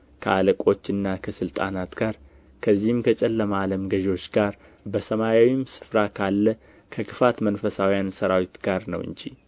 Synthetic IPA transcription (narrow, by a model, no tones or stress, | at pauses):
kʰəaləkʼo̞t͡ʃːɨnːakʰəsɨlt̪ʼanat̪ɡ̥aɾ | kʰəzːihɨmkʰət͡ʃʼɛlːəmaləmɡəʒo̞t͡ʃːɡaɾ | bəsəmajawimsɨ̥fɾakʰalːə | kʰəkʰɨfat̪mənfəsawjansəɾawit̪ɡ̥aɾnə̰wʔɨ̰ɲd͡ʒi